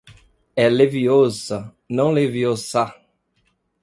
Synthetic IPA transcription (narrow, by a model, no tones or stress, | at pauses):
ɛleviozɐ | nɐ̃w̃leviosa